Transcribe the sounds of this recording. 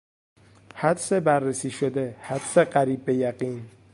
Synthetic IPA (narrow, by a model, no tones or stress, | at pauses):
hæd̪sebæɾːesiːʃod̪ehæd̪seɢæɾiːb̚ːejæɢiːn